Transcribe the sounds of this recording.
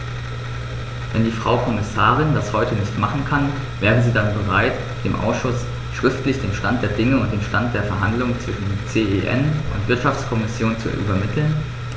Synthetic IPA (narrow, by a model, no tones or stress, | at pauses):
vɛndiːfʁ̥aʊkʰɔmɪsaːʁ̞ɪndashɔʏtənɪçtmaχn̩kʰan | veːʁən̩ziːdanbəʁaɪt | d̥eːmʔa̰ʊsʃʊs | ʃʁ̥ɪftlɪçd̥eːnʃtant̚d̥eːɐdɪŋəʊnt̚d̥eːnʃtant̚d̥eːɐfɛɐɦa̰ndlʊŋət͡sv̥ɪʃn̩t͡seːeʔɛ̰nʔʊ̰ntv̥ɪɐtʃaft͡skʰɔmɪsjoːnt͡sṵʔy̰bɐmɪtʰl̩n